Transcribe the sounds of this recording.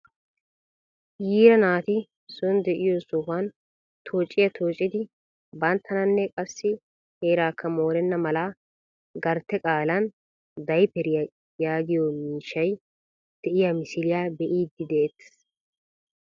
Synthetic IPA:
jiːɾɐnaːt̪ɪ | sɔnd̪ɛʔɪjosuːfɐn | t̪ʰoːt͡ʃʼːɪjɐt̪ʰoːt͡ʃʼːɪd̪ɪ | bɐnt̪ʰːɐnɐnːɛkʼɐsːɪ | heːɾaːkʰːɐmo̞ːɾɛnːɐmɐlaː | ɡɐɾt̪ːɛkʼaːlɐn | d̪ɐjpɛɾɪjɐ | jaːɡ̪ɪjɔmiːʃːɐj | d̪̥ɛʔɪjamɪsɪlɪjaːbɛʔiːd̪ːɪd̪ɛet̪ː

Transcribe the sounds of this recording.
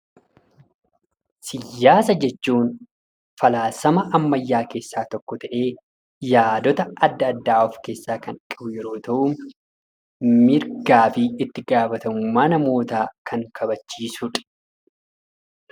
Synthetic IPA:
sɪjːaːsɐd͡ʒɛt͡ʃːuːn | fɐlaːsɐmɐʔɐmːɐjːaːke̞ːsːaːt̪ɔkːɔt̪ɐʔe̞ː | jaːd̪ɔt̪ɐɐd̪ːɐd̪ːaːɔfke̞ːsːaːkɐnkʼɪbʊjɛɾo̞ːt̪ɐʔʊ | mɪɾɡaːfɪɪt̪ːɪɡaːfɐt̪ɐmʊmːaːnɐmo̞ːt̪aːkʰɐŋkʰɐbɐt͡ʃːiːsʊᶑ

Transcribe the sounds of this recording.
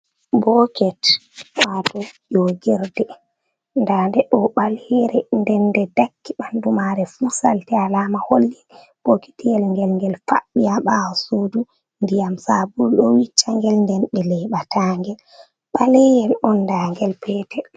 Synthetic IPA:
bɔkɛtwatɔʄɔɡɛɾdɛ | ndandɛɗɔɓalɛɾɛndɛndɛdakːiɓandumaɾɛfusa̰ltɛalamaholːin | ɓoki̥tijɛlŋɡɛlŋɡɛlfa̰ɓːijaɓawɔsudu | ndijamsabulɗɔwit͡ʃːaŋɡɛlndɛnɓɛlɛɓatʰaŋɡɛl | ɓalɛjɛlʔɔnːdaŋɡɛlpʰɛtɛ

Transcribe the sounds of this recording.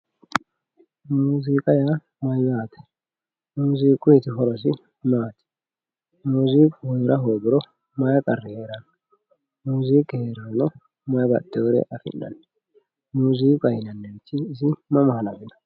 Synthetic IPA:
muːziːkʼɐja | mɐjwjaːt̪ɛ̥ | muːziːkʼʊjɛt̪ɪɦɔɾɔs̬ɪ | maːt̪ɛ̥ | muːziːkʼheːɾʔɐɦoːbɪɾɔ | mɐjɐkʼɐrːɪheːɾɐn | muːziːkheːɾɛhɔnɔ | mɐjbɐ̰d̪̥ːoːɾɛ̰ʔɐfɪ̰nːɐ̰n | muːziːkʼɐjɪnɐnːɛt͡ʃːɪːs̬ɪmɐmɐhɐnɐɡɪnɐ̥

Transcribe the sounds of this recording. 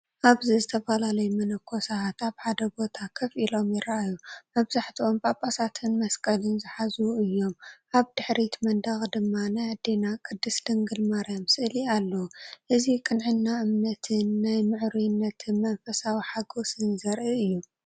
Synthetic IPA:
ʔaβzizɨt̪ʰɐfɐlalɐjumɐnɐkʰːo̞sat̪aβħad̪ɐbo̞t̪ʰakʰɐfʔilo̞mjɪɾɐʔajumɐβzaħt̪ʰio̞mpʼapʼasat̪ʰɨnmɐskʼɐlɨnzɨħazuɨjːo̞mʔaβd̪̥ɨħɾit̪mɐnd̪ɐxd̪ɨmːanajad̪enakʰɨd̪ːɨsd̪ɐŋɡɨlmaɾamsʔɨlialːɐwʔɨzikʼɨnʕɨnːaʔɨmnɐt̪ʰɨnːajmɨʕɾujnːɐt̪ʰɨnmɐnfɐsawiħaɡosɨnzɐɾʔiɨjːu

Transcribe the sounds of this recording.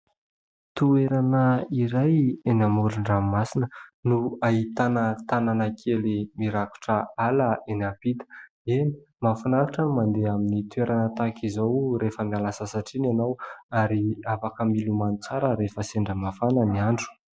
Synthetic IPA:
t̪ueɾanəiɾajenamuɾuɳɖ͡ʐammasinənuaɦit̪anət̪ananəkʰelimiɾaku̥ʈ͡ʂəaləenapit̪ə̥ | eni | mafanaɾuʈ͡ʂəmand̪eaminit̪ueɾanət̪akizowɾefəmialasəsaʈ͡ʂinanawaɾiafakəmilumanut͡saɾəɾefəseɳɖ͡ʐəmafanəniaɳɖ͡ʐu̥

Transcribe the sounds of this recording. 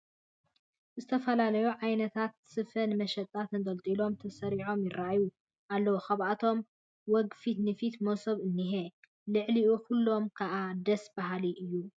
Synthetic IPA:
zɨt̪ʰɐfɐlalɐjuʕajnɐt̪ʰat̪sɨfɐnɨmɐʃɐt̪ʼːat̪ɨnd̪ɐlt̪ʼilo̞mt̪ʰɐsɐɾiʕo̞mjɪɾːaju | ʔalːɐwoxaβat̪ʰo̞m | wɔɡfit̪nɨfit̪mosoβɨnːiɦe | lɨʕliʔukʰulːo̞mkʰaʔad̪ɐsbaɦaliʔɨjːu

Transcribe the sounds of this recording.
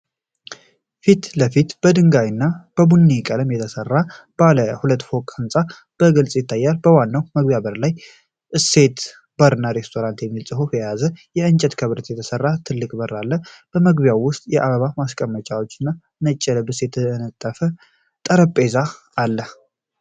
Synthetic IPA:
fit̪ləfit̪b̥əd̪ɨŋɡajɨnːab̥əbunːikʼələmjɛt̪ʰəsərːa | b̥aləhulət̪ːfo̞kʼɨnsʼa | b̥əɡɨlsʼjɪt̪ʰːajːalbəwanːawməɡbjaβəɾlaj | ʔɨse̞t̪ | bəɾɨnːaɾe̞st̪ʰo̞ɾant̪jɛmːilsʼɨɦofjɛjazəjɛɨnt͡ʃʼɛt̪kʰəβɾət̪jɛt̪ʰəsərːat̪ʰɨlːɨkʼbəralːəb̥əməɡbjawːʊst̪ʼjɛʔaβəβamaskʼəmːət͡ʃʼawo̞t͡ʃːɪnːa | nət͡ʃʼːɛləbɨsjɛt̪ʰənət̪ʼːəfə | t̪ʼəɾəpʼe̞za | alːə

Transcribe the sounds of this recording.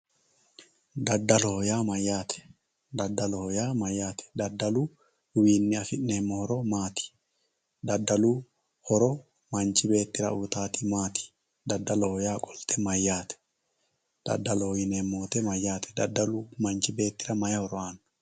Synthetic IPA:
d̪ɐd̪ːɐlɔhɔjaːmɐjːaːt̪ɛ̥ | d̪ɐd̪ːɐlɔhɔjaːmɐjːaːt̪ɛ̥d̪ɐd̪ːɐluː | ʊwiːnːɪɐfɪʔneːmːɔhɔɾɔmaːt̪ɪ̥ | d̪ɐd̪ːɐluː | hɔɾɔ | mɐnt͡ʃɪbe̞ːt̪ːɪɾɐʊt̪aːt̪imaːt̪ɪ̥ | d̪ɐd̪ːɐlɔhɔjaːkʼɔlt̪ʰɛmɐjːaːt̪ɛ̥ | d̪̥ɐ̰d̪ːɐlɔhɔjɪnemːoːt̪ɛmɐjːaːt̪ʰɛ̥d̪ɐd̪ːɐluːmɐnt͡ʃɪbe̞ːt̪ːɪɾɐmɐjɐhɔɾɔaːnɐ

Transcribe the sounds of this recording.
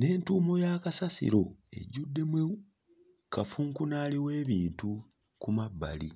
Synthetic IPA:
ne̞ːntuːmo̞jakasasḭɾo̞e̞̰ɟudːe̞mwe | kʰafuŋkunaːliwe̞ːβiːntu | kumabːa̰lḭ

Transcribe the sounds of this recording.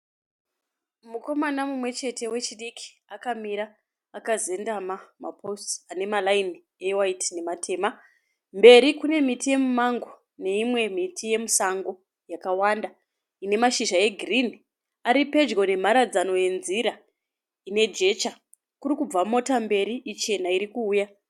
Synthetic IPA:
muko̞manamumwe̞t͡ʃe̞te̞we̞t͡ʃiɗikʰi̥ | akamiɾaː | kaze̞ndamama̰pʰo̞stane̞malain | ewaitne̞matʰe̞ːma | mbe̞ɾikune̞mitije̞mumaŋɡo | ne̞imwe̞mitʰije̞musaŋɡo̞ | jakawanda | ine̞maʃiʒae̞ɡʱirini | aɾipe̞d͡ʒɡo̞ne̞m̤aɾad͡zano̞je̞nziɾa | ine̞d͡ʒe̞ːt͡ʃa | kuɾikub͡vamo̞tambe̞ɾiʔit͡ʃe̞naiɾikuːja

